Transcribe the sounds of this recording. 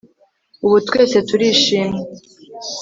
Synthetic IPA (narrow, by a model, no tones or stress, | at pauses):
uβutwe̞ːse̞tuɾiːʃiːmwe